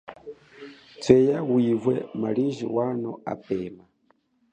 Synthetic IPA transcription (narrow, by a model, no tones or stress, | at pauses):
t͡sʰɛjawivwɛ̰maliʒḭwanɔa̰pɛːma